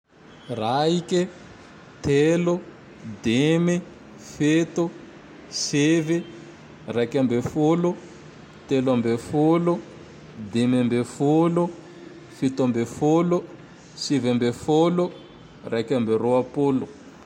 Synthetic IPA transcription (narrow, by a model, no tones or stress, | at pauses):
raike | t̪elo | d̪emi | fet̪u | sevi | rakambefolu | t̪elambefolu | d̪emembefolu | fit̪ambefolu | sivɛmbefolu | rʔakamberoapolu